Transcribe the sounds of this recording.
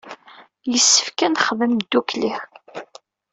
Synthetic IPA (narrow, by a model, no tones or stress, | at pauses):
jəsːə̥fkænχðəmd̪ːuklix